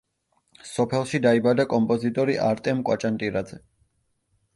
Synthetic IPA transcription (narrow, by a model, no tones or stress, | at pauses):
sɔpʰɛlˠʃid̪aibad̪akʼɔmpʼɔzit̪ʼɔɾiʔaɾt̪ʼɛmkʼwa̰t͡ʃʼant̪ʼiɾad̪zɛ